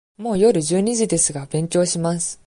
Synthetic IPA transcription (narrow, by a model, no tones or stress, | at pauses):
mo̞ːjo̞ɾɯ̟d͡ʑɨːɲ̟iʑid̪e̞sɨɡabẽ̞ɲkʲo̞ːɕimasɨ̥